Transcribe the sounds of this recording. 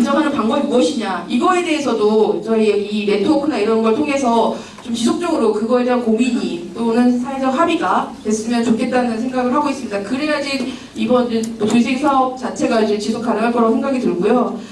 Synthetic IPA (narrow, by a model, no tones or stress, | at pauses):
ɯd͡ʑʌŋɦanɯnpaŋɡʌbimuʌɕʰiɲaiɡʌe̞de̞ɦesʰʌdot͡ɕʌieiɾe̞tʰokʰɯnaiɾʌnɡʌɭtʰoŋe̞sʰʌ | t͡ɕomt͡ɕisʰok̚t͡ɕ͈ʌɡɯɾokɯɡʌe̞deɦankomiɲit͈onɯnsʰaed͡ʑʌɦabiɡatwe̞s͈ɯmjʌnt͡ɕokʰe̞t̚t͈anɯnans̬ʰe̞ŋɡaɡɯɭɦaɡois͈ɯmɲidakɯɾejad͡ʑin | ibʌnɯnmʌtus̬ʰeŋsʰaʌp̚t͡ɕat͡ɕʰe̞ɡad͡ʑet͡ɕisʰok͈anɯŋɦaɭk͈ʌɾʌnsʰe̞ŋɡaɡitɯɭɡojo